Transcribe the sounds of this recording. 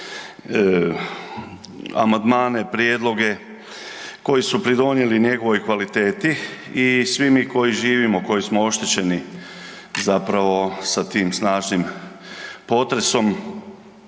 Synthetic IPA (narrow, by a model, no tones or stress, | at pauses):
a̰mand̪maːne̞pɾjed̪lˠo̞ɡe̞ | ko̞jisupɾid̪o̞nje̞liɲe̞ɡo̞ʋo̞jkʋalit̪e̞ːt̪iisʋimiko̞jiʒiːʋimoko̞jismoo̞ʃt̪et͡ɕe̞ni | zapɾaʋo̞sat̪iːmsnaːʒnim | po̞t̪ɾe̞so̞m